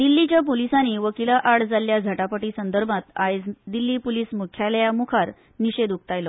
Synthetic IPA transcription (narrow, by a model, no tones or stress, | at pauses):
d̪ilːit͡ɕjap̬olisaniːʋəkilaʔaɭd͡zaljad͡zʱaʈapəʈiːsənd̪əɾbʱat̪ajd͡zd̪ilːiːpoliːsmukʰjaljamukʰaɾ | niɕed̪uk̚t̪ajlɔ